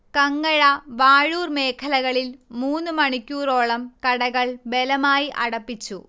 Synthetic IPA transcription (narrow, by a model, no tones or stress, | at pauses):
kɐŋːɐɻɐʋaːɻuːrme̞ːkʰɐlɐɣɐɭilmuːnːɨmɐɳikʲːuːɾo̞ːɭɐmkɐɽɐɣɐɭbe̞lɐmaːjiʔɐɽɐpːit͡ɕːu